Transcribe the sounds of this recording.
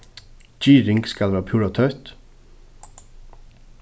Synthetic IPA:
d͡ʒiːɾɪŋɡskɑlʋæːpʰjuɾɑt̪ʰœʉt̪

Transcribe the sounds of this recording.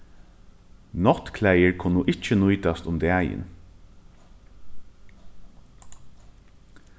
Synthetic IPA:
nɔt̪kʰlæɪəɹkʰʊnuːʔɪc͡çənuʏd̪ɑst̪ʊmd̪eːæɪɪ̰n

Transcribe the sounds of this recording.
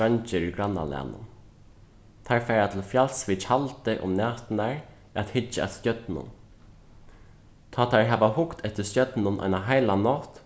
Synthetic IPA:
ant͡ʃɪɾʏɡɾanːa̰lɛ̰nʊ̰n | t̪ʰaɹfɛɾat̪ʰɪlfjalsvɪt͡ʃʰalt̪ɪʔʊ̰mnɛːt̪naɹ | at̪hɪt͡ʃːaɛ̰t̪st̪jœt̪nʊ̰n | t̪ʰaːt̪ʰaɹɦɛʋahʊkt̪ʰɛt̪ɪst̪jœt̪nʊnʔa̰jnaɦajlanɔt̪

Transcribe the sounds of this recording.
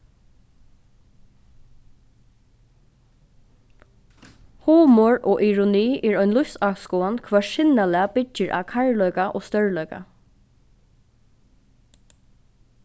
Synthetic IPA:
huːmɔɹɔːʔiɹʊniːʔɛɹɔʏnlʊsawskɔːankʰʋɛːʃɪnalɛabɪɪɹʔa̰ːkʰaɹlœkaʔɔːst̪œɹlœɥka̰

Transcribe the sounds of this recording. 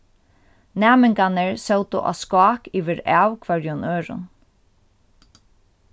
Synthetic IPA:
nɛːmɪŋkanəɹsɛwt̪ʊ̰ʔa̰skaːkiʋɪɾɛːwkʰvɛɹjʊnøːɾʊ̰n

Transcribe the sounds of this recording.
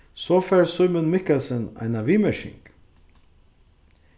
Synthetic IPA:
soːfæɹsœmənmɪkəlsənæ̰ɪnɑʋiːməʃɪ̰ŋɡ̥

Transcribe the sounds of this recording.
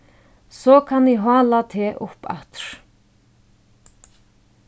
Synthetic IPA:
sɔkʰanɪɦɑːlat̪ʰɛːʔʊpa̰ht̪ɾ̥

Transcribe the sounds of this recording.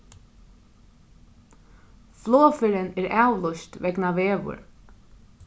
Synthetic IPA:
flɔːfɪɾɪnɛɾaːwlɔʃt̪ʋɛknaʋeːʋʊ̰ɹ

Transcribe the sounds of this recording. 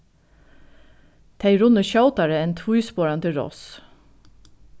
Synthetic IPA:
t̪ʰæɪɹʊnəʃɑʊt̪ɑɹəɛnt̪ʰʋuʏspoːɹɑnt̪ʰɪɾɔ̰s

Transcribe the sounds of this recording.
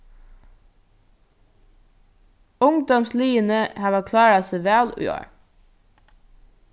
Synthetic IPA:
ʊŋd̪ɔmsliːənəhɑːʋɑkʰlɑːɹɑseʋæːlʉ̰o̰ːɹ

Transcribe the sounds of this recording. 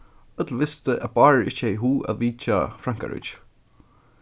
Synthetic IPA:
œt̪l̩ʋɪst̪əʔæðbɑːɹɪht͡ʃɛjɦuːʔa̰ðʋiːt͡ʃa̰fɾaŋ̥ka̰ɹɪ̰t͡ʃ

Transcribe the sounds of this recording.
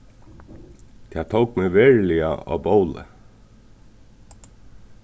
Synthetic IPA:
t̪ʰɛːt̪ʰowkmɛʋeːɹlɪa̰ʔɑ̰ːbowlɪ̰

